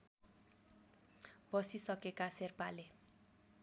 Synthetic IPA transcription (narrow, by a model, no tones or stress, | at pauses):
bʌsisʌkekaserpale